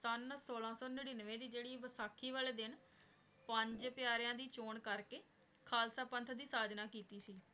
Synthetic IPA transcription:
sənəsoːlãːsɔːnəɽiːnəʋẽːd̪iːd͡ʒeːɽiːʋəsaːkʰiːʋaːleːd̪ɪn | pəɲd͡ʒpɪjaːɾjãːd̪iːt͡ʃoːɳkəɾkeː | kʰaːlsaːpənt̪ʰd̪iːsaːd̪naːkiːt̪iːsiː

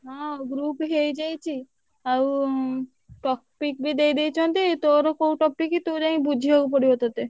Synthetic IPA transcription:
ɦɔ̃ɡɾupɦejd͡ʒajt͡ʃʰi | aw | ʈɔk̚pik̚bid̪ejd̪ejt͡ʃʰont̪et̪oɾokowʈɔpikit̪oɾaibud͡ʒʱiɦowp̬oɾibot̪at̪e

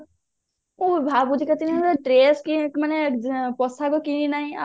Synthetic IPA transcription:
ubʱabud͡ʒʱikət̪inʈɾeːskimanepɔsakokininaɦĩa

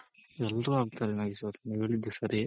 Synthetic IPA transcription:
ɛlːruaːɡ̚t̪aːlenaːɡisɐɾniɡɐɭid̪ːesɐɾi

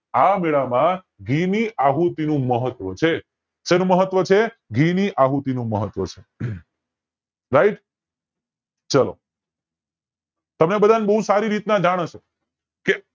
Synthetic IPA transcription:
ameɭamã | ɡʱiniʔaɦut̪inũməɦət̪ʋət͡ʃʰe | senũməɦət̪ʋət͡ʃʰe | ɡʱiniʔaɦut̪inũməɦət̪ʋət͡ʃʰe | ɾaiʈ | t͡ʃəlo̰ | t̪əmnebəd̪ʱanbəɦusaɾiɾit̪nãd͡ʒaɽ̃ət͡ʃʰo | ke

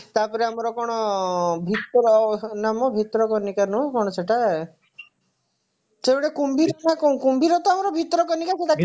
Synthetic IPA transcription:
t̪apɔɾeamɔɾɔkɔɽ̃ɔbʱit̪ɾɔnamɔbʱit̪ɔɾɔkɔnikanɔkɔɽ̃ɔt͡ʃeʈa | t͡ʃeɽekumbiɾmakɔ̃kumbiɾɔt̪ɔamɔɾɔbʱit̪ɔɾɔkɔnikat͡ʃʰeʈa

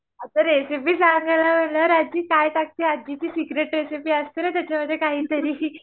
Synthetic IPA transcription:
at̪əɾɾesipiːsaŋɡalaməɳləɾad͡ʑiːkajt̪ak̚t̪iːad͡ʑit͡ɕiːsiɡɾeʈɾesipiːəst̪inat̪jat͡ɕaməd̪ʱːekaɦiːt̪əɾiː

